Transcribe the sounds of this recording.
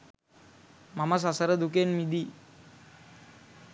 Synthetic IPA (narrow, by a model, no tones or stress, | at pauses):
mamas̬asaɾəd̪ukenmid̪i